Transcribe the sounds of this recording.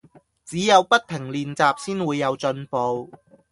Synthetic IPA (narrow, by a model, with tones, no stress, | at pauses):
t͡siː˨˥jɐ˨˧wpɐ˥t̚t̪ʰɪ˨˩ŋliː˨nt͡saː˨p̚siː˥nwuː˨˧jːɐ˨˧wt͡ʃɵ˧npo˨˧w